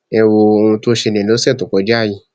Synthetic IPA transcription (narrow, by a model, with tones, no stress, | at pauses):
ɛ˧wo˧o˧ũ˧tu˦o˧ʃe˧nẽ˨lo˨˦sɛ˦˨to˨kɔ˨˦d͡ʒa˦˨ji˧